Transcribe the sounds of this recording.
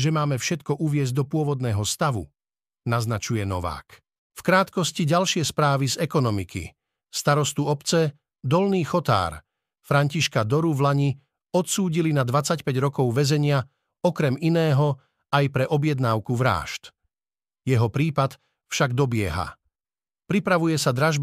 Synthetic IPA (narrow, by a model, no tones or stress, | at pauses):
ʒɛmaːmɛfʃɛt̪kɔʔuʋɪɛzɟ̚d̪ɔpʊɔʋɔd̪nɛːɦɔst̪aʋṵ | naznat͡ʃujɛnɔ̰ʋa̰ːk | fkɾaːt̪kɔsciɟalʃɪɛspɾaːʋizɛkɔnɔmikḭ | st̪aɾɔst̪uɔpt͡sɛ | d̪ɔlniːxɔt̪a̰ːɾ | fɾaɲciʃkad̪ɔɾuvlaɲi | ɔt̪suːɟilinad̪ʋat͡sacpɛɟɾɔkɔʊʋɛzɛɲɪa | ɔkɾɛminɛːɦɔ | ajpɾɛʔɔbjɛd̪naːʊkuʋɾa̰ːʃt̪ | jɛɦɔpɾiːpat̪ | fʃaɡd̪ɔbɪɛɦa̰ | pɾipɾaʋujɛsad̪ɾaʒb